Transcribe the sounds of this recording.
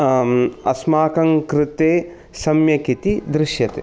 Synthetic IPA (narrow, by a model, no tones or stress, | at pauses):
ɐsmaːkɐŋkɾɪt̪eː | sɐmjɐkit̪id̪ɾɪʃjɐt̪ḛ